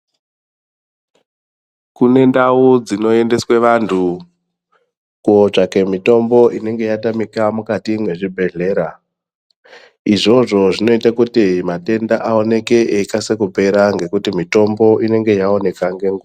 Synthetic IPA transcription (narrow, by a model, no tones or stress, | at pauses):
kune̞ndaud͡zino̞e̞nde̞sweʋantʰu | kuot͡ʂake̞mito̞mbo̞ʔine̞ŋɡe̞jatamikamukatimwe̞ʐibʱe̞ɮe̞ːɾa | iʐo̞ʐo̞ʐino̞itakutimate̞ndaʔao̞ne̞keʔeikasekupe̞ɾaŋɡe̞kutimito̞mbo̞ʔine̞ŋɡe̞jao̞ne̞kaŋɡeŋɡo